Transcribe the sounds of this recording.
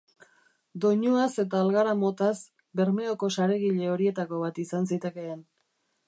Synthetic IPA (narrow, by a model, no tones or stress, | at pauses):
d̪o̞ɲoase̞t̪̬aːlɣaɾamo̞t̪as | be̞ɾme̞oko̞saɾe̞ɣiʎe̞o̞ɾie̞t̪ako̞βat̪isansit̪eke̞ːn